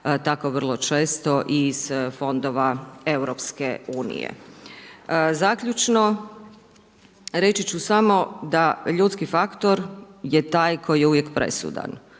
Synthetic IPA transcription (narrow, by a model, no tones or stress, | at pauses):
t̪akoʋər̩lˠo̞t͡ʃe̞ːst̪o̞ʔiz̥fo̞nd̪oʋaewɾopskeuːnḭjḛ | zakʎʲut͡ʃno̞ | ɾe̞t͡ʃit͡ɕusamo̞d̪aʎuːt̪skifakt̪o̞ɾjet̪aːjkʰojijeuʋjekpɾe̞̰sṵd̪a̰n